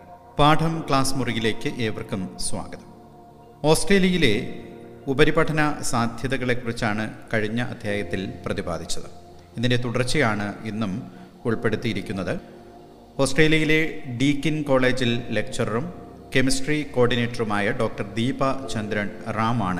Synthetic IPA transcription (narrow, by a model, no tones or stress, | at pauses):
paːʈʰɐmkɭaːsmurijile̞ːkːɨʔe̞ːʋɐrkːumswa̰ːɡɐðɐm | o̞ːsʈre̞ːljɐjile̞ | ubɐɾibɐʈʰɐnɐsaːd̪ʱjɐðɐɣɐɭe̞kːurit͡ɕːaːɳɨkɐɻiɲːɐʔɐ̰d̪ʱjaːjɐt̪ːilprɐðiba̰ːd̪ʱit͡ɕːɐðɨ | inːindet̪uɽɐrt͡ɕːijaːɳɨenːum | uɭpe̞ɽut̪ːijiɾikʲːunːɐðɨ | o̞ːsʈre̞ːljɐjile̞ɖiːkːɐnko̞ːɭe̞ːd͡ʑille̞k̚t͡ɕɐrɐrum | ke̞misʈriko̞ːrɖine̞ːʈːɐrumaːjɐɖo̞ːk̚ʈɐrd̪iːbɐt͡ɕɐnd̪ɾɐnraːmaːɳɨ